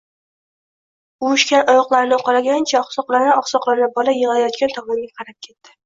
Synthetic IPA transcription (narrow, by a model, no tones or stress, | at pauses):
uʊʃkʲanɒjɒqlˠaɾɪnɪqʰɒɾaɡʲant͡ʃʰaɒχsɒqlˠaɾnɪɒχsɒqlaɾnɪbɒlajɨʁalajɒt̪̚kʲant̪ʰɒɪnɡʲaqʰɑɾap̚kʲʰe̞t̪ːɪ̥